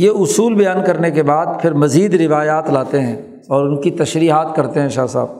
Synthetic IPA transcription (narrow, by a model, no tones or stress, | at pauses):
jeʊsuːlbɐjaːnkɐɾnekebaːd̪̚pʰɪɾmɐziːd̪ɾɪʋaːjaːt̪laːt̪eɦɛ̃ː | ɔːɾʊnkit̪ɐʃɾiːɦaːt̪kɐɾt̪eɦɛ̃ʃaːsa̰ːb